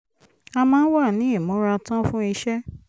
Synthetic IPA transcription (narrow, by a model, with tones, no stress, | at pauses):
a˧mãː˦n̩˦wa˦˨nĩ˨˦i˦˨mõ˨˦ɾa˧tã˦fũ˦i˧ʃɛ˦